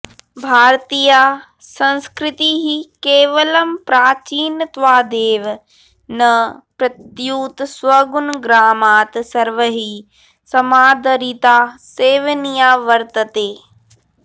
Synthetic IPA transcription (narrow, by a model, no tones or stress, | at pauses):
bʱaːɾt̪iːja | sɐ̃nskɾɪt̪iɦikeːʋəlɐmpɾaːt͡ʃiːnət̪ʋaːd̪eːʋ | nɐpɾɐt̪juːt̪sʋɐɡunɡɾaːmaːt̪sɐɾʋəɦi | sɐmaːd̪əɾit̪aːseːʋənijaːʋɐɾt̪ət̪eː